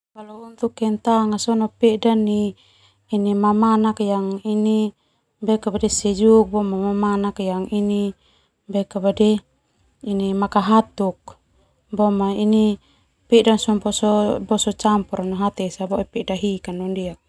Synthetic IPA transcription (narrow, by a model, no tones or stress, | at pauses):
kalɔunt̪ukːɛnt̪aŋasɔnapɛdaniː | nimamanakjaŋini | bɛkabadɛsɛd͡ʒuk̚bɔmamamanakjaŋini | bɛkabadɛ | inimakaɦat̪uk̚ | bɔmaini | pɛdansɔmbɔsɔbɔsɔt͡ʃampɔɾanɔɦat̪ɛsabɔʔɛpɛdaɦikanːɔndia